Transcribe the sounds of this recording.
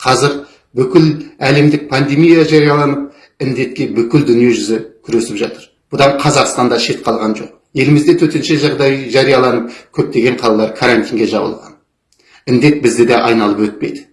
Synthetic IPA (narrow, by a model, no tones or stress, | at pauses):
qʰɑzɪɾ | bʏkʲɪlæle̞md̪ɪk̚pʰand̪e̞mijaʒɑɾijɑlˠɑnəp̚ | ɪnd̪e̞t̪̚kʲe̞bʏkʲɪld̪ʏnije̞ʒʏzɪkʲʰʏɾe̞sɪpʒɑt̪əɾ | b̥ʊd̪ɑɴqʰɑzɑqst̪ɑnd̪ɑʃe̞t̪qʰɑlˠʁɑnʒo̞̰q | je̞lɪmɪzd̪et̪ʰɵt̪enʃe̞ʒɑʁd̪ɑjʒɑɾijɑlˠɑnəp̚kʲʰɵp̚t̪e̞ɡʲe̞ɴqʰɑlˠɑlˠɑɾkʰaɾant̪iŋɡʲe̞ʒɑbəlˠʁɑ̰n | ɪnd̪e̞t̪̚bɪzd̪ɪd̪ɑʔɑ̰jnɑlˠəpwɵt̪̚pe̞̰jd̪ɪ̥